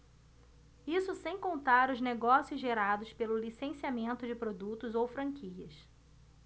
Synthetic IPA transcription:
isʊsẽj̃kõnt̪aɾʊzneɡɔsiʊzʒeɾad̪ʊspelʊlisẽsiamẽnt̪ʊd͡ʒɪpɾod̪ut̪ʊzowfɾɐ̃kʰiɐs

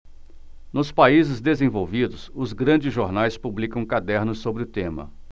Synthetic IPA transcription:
nʊspaizɪzd̪ezẽvowvid̪ʊsʊzɡɾɐ̃d͡ʒɪzʒoɾnajspublikɐ̃w̃kad̪ɛɾnʊsːobɾɪʊt̪ẽmɐ̰

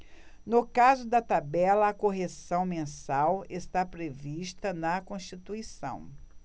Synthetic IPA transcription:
nʊkazʊd̪ɐt̪abɛlɐːkoɦesɐ̃w̃mẽsawest̪apɾeviʃt̪ɐnɐkõst͡ʃit̪uisɐ̰̃w̃

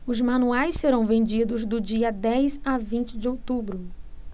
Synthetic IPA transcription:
ʊzmɐ̃nuajsseɾɐ̃w̃vẽd͡ʒid̪ʊzd̪ʊd͡ʒiɐd̪ɛjzavĩnt͡ʃɪd͡ʒɪowt̪ubɾʊ

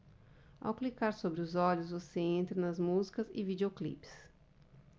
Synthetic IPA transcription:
a̰wklikaɾsobɾɪʊzɔʎʊzvoseẽnt̪ɾɐnɐzmuzikɐzɪ̰vid͡ʒeoklḭpɪ̥s

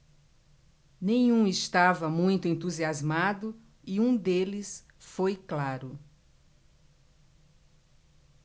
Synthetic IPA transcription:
nẽj̃ũɪst̪avɐmũj̃t̪ʊẽnt̪uziazmad̪ʊ | iũd̪elɪs | fojklaɾʊ

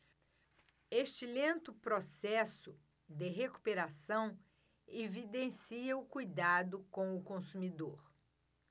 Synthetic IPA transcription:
eʃt͡ʃɪlẽnt̪ʊpɾosɛsʊ | d̪ɪɦeku̥peɾasɐ̃w̃ | evid̪ẽsiɐʊkujd̪ad̪ʊkõw̃ʊkõsumid̪oɾ

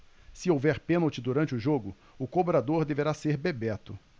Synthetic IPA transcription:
sɪowvɛɾpẽnɐwt͡ʃɪd̪uɾɐ̃nt͡ʃɪʊʒoɡʊ | ʊkobɾad̪oɾd̪eveɾaseɾbebɛt̪ʊ

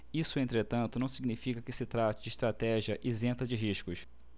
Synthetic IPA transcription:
isʊẽnt̪ɾet̪ɐ̃nt̪ʊnɐ̃w̃siɡnifikɐkɪsɪt̪ɾat͡ʃɪd͡ʒɪːʃt̪ɾat̪ɛʒiɐʔɪzẽnt̪ɐd͡ʒɪɦiʃkʊʃ

